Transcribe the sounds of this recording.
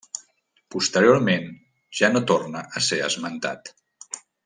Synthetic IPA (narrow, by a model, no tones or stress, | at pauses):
pust̪əɾioɾmen | ʒ̥anot̪ornəʔəseə̰zmənt̪a̰t̪